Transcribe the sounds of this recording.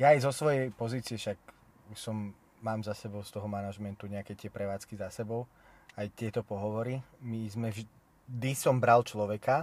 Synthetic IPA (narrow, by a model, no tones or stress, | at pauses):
jaːjzɔsʋɔjɛjpɔziːt͡siɛʃak | uʃsɔmː | aːmzasɛbɔʊst̪ɔɦɔmanaʒmɛnt̪uɲɛakɛt̪ɪɛpɾɛʋaːt͡skizasɛbɔʊ | ajt̪ɪɛt̪ɔpɔɦɔʋɔɾimizmɛʒ | d̪isɔmbɾalt͡ʃlɔʋɛka